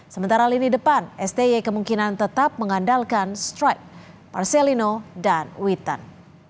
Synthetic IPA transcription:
səmənt̪aɾaalinidəpanɛst̪ejekəmuŋkinant̪ət̪ap̚məŋandalkanst̪ɾajk̚ː | a̰rselinodanwit̪a̰n

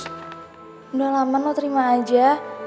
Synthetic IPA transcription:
dalamanot̪ɾimaːd͡ʒa

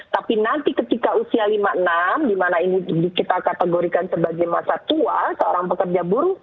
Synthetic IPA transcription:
t̪apinant̪ikət̪ikausialimaənamdimanainidikit̪akat̪əɡoɾikansəbaɡajmasat̪uasəo̰ɾaŋpəkərd͡ʒabuɾu

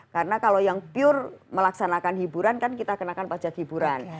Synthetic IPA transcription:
kaɾənakalojaŋpiʊrməlaksanakanhibuɾankankit̪akənakanpḁd͡ʒakhibuɾan

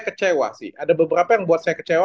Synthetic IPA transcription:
kət͡ʃewa̰sɪ̰hadabəbəɾapajaŋbuat̪̚sajakət͡ʃewa

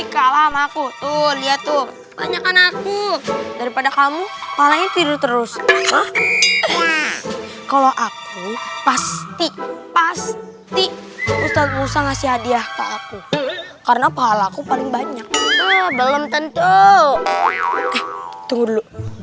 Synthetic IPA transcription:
ikalamakut̪ʊliat̪ʊ | ba̰ɲakanakudaɾipadakamupaɦalaɲat̪iɾʊt̪əɾʊsma | wa | kaloʔak | upast̪ipas | t̪iust̪at̪̚musaŋasɪɦadiahkaːku | kaɾənapaɦalaːkupalɪŋbaɲak̚t̪obələmt̪ənt̪u | ɛht̪uŋudlo

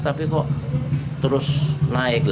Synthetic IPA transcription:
t̪apikɔʔt̪əɾʊsnaɪk̚l

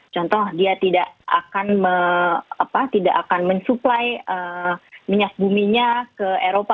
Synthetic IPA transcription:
t͡ʃɔnt̪ɔahdiat̪idaʔʔakanməapat̪idaʔakanməɲsuplajəmiɲak̚bumiɲakəeɾopa

